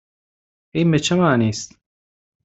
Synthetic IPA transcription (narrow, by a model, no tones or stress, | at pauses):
ejmet͡ʃʰemaːniːst̪